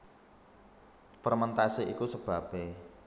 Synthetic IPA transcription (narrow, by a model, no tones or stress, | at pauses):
pərmənt̪asiʔikusəb̥a̤b̥e